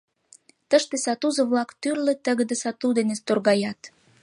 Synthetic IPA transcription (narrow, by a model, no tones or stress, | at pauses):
t̪əʃt̪esɑt̪uzə̆βlɑkt̪yrlĕt̪ə̆ɣəd̪esɑt̪ud̪enest̪orɣɑjɑt̪